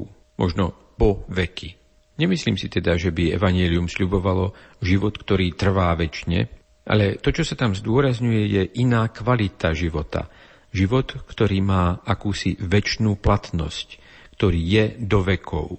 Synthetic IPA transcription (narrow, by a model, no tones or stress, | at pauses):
mʔɔ̰ʒnɔ | pɔʋɛkʰi | ɲɛmisliːmsit̪ɛd̪aʒɛbiɛ̰ʋaɲɛliumsʎubɔʋalɔʒiʋɔt̪kt̪ɔɾiːt̪r̩ʋaːʋɛt͡ʃɲɛ̰ | ʔa̰lɛt̪ɔt͡ʃɔsat̪amzd̪ʊɔɾazɲujɛjɛʔinaːkʋalit̪aʒiʋɔt̪a̰ | ʒiʋɔt̪kt̪ɔɾiːmaːakuːsiʋɛt͡ʃnuːplat̪nɔ̰sc | kt̪ɔɾiːjɛd̪ɔʋɛkʰɔ̰ʊ